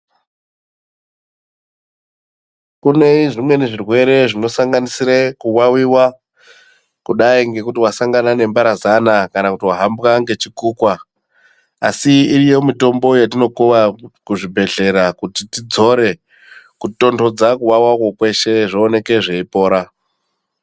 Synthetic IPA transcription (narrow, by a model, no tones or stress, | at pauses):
kune̞iʐimwe̞neʐirwe̞ɾe̞ʐino̞saŋɡanisiɾekuwawiwa | kuɗaiŋɡe̞kutiwasaŋɡanane̞mbaɾazanakanakutiwaɦambɣaŋɡe̞t͡ʃikuːkwa | asiirijo̞mito̞mbo̞jat̬ino̞kuʋakuʐibʱe̞ɮe̞ɾakutitid͡zo̞ɾe̞ | kuto̞ndo̞d͡zakuwawakokwe̞ʃe̞ʐoːne̞ke̞ʐeipo̞ːɾa